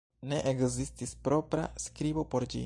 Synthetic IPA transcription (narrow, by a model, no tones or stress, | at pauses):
ne̞ʔekzistispɾo̞pɾa̰skɾibo̞po̞ɾd͡ʒḭ